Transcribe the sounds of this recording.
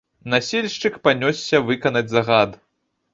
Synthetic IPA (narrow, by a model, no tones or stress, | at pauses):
nasʲelʲʂt͡ʂɨkpanʲɔsːʲɐvɨkɐnɐd͡zʲzɐɣad̪